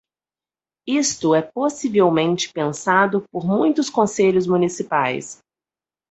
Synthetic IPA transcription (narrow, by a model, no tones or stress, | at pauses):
ist̪ʊɛposivewmẽnt͡ʃɪ̥pẽsad̪ʊpoɾmũj̃t̪ʊskõseʎʊzmũnisipajs